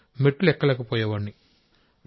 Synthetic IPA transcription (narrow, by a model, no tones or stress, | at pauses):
meʈːulɛkːɐlɛːkɐpɔːjɐʋɐɳːi | ɾ